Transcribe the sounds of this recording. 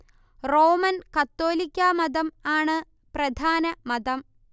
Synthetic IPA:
roːmɐnkɐt̪ːo̞ːlikʲːaːmɐd̪ɐmaːɳɨ | prɐd̪ʱaːnɐmɐd̪ɐm

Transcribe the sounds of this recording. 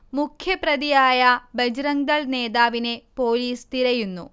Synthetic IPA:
mukʰjɐpɾɐd̪ijaːjɐbɐd͡ʒɾɐŋd̪ɐɭneːd̪aːʋine̞poːliːst̪iɾɐjunːṵ

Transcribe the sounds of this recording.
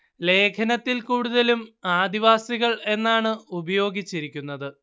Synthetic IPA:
le̞ːkʰɐnɐt̪ːilkuːɽuðɐlumaːd̪iʋaːsiɣɐɭe̞nːaːɳɨubɐjo̞ːɡit͡ɕːiɾikʲːunːɐðɨ

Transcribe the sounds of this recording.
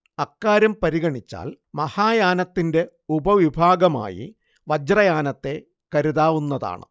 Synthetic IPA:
ɐkːaːɾɐmpɐɾiɣɐɳit͡ɕːa̰ːl | mɐhaːjaːnɐt̪ːinde̞ | ubɐʋibʱaːɡɐma̰ːjḭ | ʋɐd͡ʑrɐjaːnɐt̪ːe̞ | kɐɾuðaːʋunːɐða̰ːɳɨ̰

